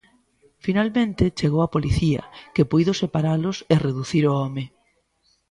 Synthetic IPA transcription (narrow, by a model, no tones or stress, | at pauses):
finalmẽnt̪ɪt͡ʃeɣowapoliθiɐ̰kepujðʊsepaɾalʊsereðuθiɾʊɔmɪ